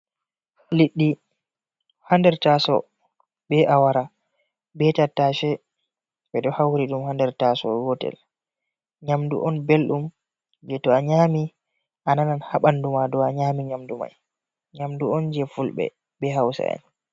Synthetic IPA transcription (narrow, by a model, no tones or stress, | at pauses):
liɗːi | handɛɾtasɔ̰ | bɛʔawaɾa | bɛtataʃɛ | bɛɗɔhawɾiɗumhandɛɾtasɔ̰ɡɔtɛ̰l | ɲamdṵʔɔnbelɗum | d͡ʒɛtɔaɲaːmi | ʔanananhaɓandumadɔaɲamiɲamduma̰j | ɲamduɔnd͡ʒɛfulɓɛ̰ | bɛɦawsa̰a̰n